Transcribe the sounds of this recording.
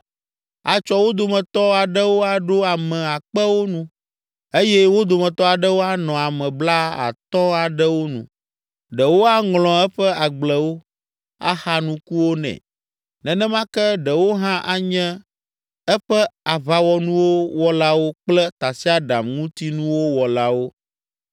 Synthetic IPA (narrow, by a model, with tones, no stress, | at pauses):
a˨t͡ʃɔ˦wo˦d̪o˨mɛ̃˨t̪ɔ˦a˨ɖɛ˦wo˦a˨ɖo˦a˨mɛ̃˨a˨k͡pɛ˦wo˦nũ˦ | e˦jɛ˦wo˦d̪o˨mɛ̃˨t̪ɔ˦a˨ɖɛ˦wo˦a˦nɔ̃˨a˨mɛ̃˨bla˦a̰˨t̪ɔ̃˦a˨ɖɛ˦wo˦nṵ̃˨ | ɖɛ˨wo˦a˦ŋlɔ̃˨ɛ˦ɸɛ˦a˨ɡ͡blɛ˨wo˦ | a̰˦xa˦nũ˦ku˦wo˦nɛ̰̃˨ | nɛ̃˨nɛ̃˦mã˦kɛ˦ɖɛ˨wo˦ɦã˦ʔa˦ɲɛ̃˦ | ɛ˦ɸɛ˦a˨βa˨wɔ˨nũ˦wo˦wɔ˦la˦wo˦k͡plɛ˦t̪a˨si˦a˦ɖa˨mŋũ˦t̪i˦nũ˦wo˦wɔ˨la˦wo˦